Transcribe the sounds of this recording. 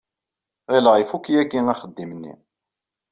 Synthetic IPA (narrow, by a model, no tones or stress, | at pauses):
æləʁifukːijækːiŋæχəd̪ːimənːḭ